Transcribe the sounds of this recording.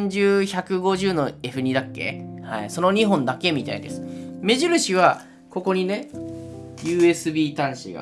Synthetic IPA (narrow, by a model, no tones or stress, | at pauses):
ɲ̟d͡ʑɨːçakɯ̟ɡo̞ʑɨːno̞e̞ɸɯ̟ɲ̟id̪akːe̞̰haiso̞noɲ̟iɦõ̞nd̪ake̞mʲit̪a̰ḭd̪e̞sɨ̥me̞ʑiɾɯ̟ɕiβ̞a | ko̞ko̞ɲ̟ine̞ | jɯːe̞sɨbʲiːt̪ãɰ̃ɕiɡa̰